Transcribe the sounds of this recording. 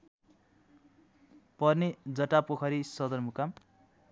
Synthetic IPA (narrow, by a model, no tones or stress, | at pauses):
pʌrned͡zʌʈapokʰʌɾisʌd̪ʌrmukam